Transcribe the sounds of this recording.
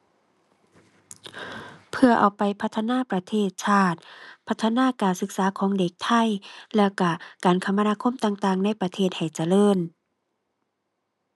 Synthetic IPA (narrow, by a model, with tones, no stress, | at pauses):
pʰɯ˧ɐʔa˨˩wpa˨˩jpʰa˧t̪ʰːa˧naː˧˥˨pɾa˧t̪ʰeː˧˩t̪̚t͡ɕʰaː˧˩t̪̚pʰa˧˩t̪ʰːa˧naː˧˥˨kaː˨˩nsɯ˧˦k̚saː˨˦kʰɔː˨˦ŋde˨˩k̚t̪ʰa˧˥˩jlɛː˧˩ka˧˩kaː˨˩nkʰa˧˩mːa˧naː˧kʰo˧˥˨mt̪aː˧ŋt̪aː˧˩ŋna˧˥˨jpɾa˧t̪ʰeː˧˩t̪̚ha˨˩jt͡ɕa˧lɤː˧˥˨n